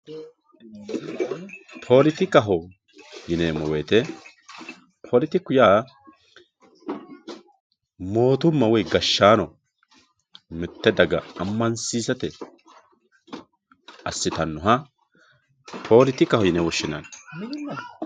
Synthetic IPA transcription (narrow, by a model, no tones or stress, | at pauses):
pʰo̞ːlɪt̪ɪkɐɦɔ | jɪnemɔweːt̪ɛ | pʰo̞ːlɪt̪ɪkʊjaː | mo̞ːt̪ʊmːɐwɔjɡɐʃːaːnɔ | mɪt̪ːɛd̪ɐɡɐ̰ɐmːɐnsiːsɐt̪ɛ | ɐsːɪt̪ɐnːɔɦɐ | pʰo̞ːlɪt̪ɪkɐhɔjɪnɛwɔʃːɪnɐn